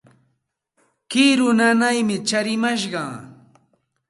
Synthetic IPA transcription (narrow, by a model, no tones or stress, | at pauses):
kɪɾʊnanajmɪt͡ʃaɾɪmaʃɢɑŋ